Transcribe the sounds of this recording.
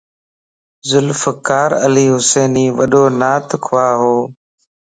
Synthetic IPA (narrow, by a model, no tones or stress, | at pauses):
zʊlfəkaːɾəliːɦʊseːniːʋəɗoːnaːt̪ʰkʰʊʋaːɦoː